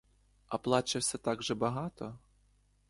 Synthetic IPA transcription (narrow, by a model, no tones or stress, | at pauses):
ɐplˠɑt͡ʃɪwsʲɐt̪ɑɡʒɛbɐɦɑt̪ɔ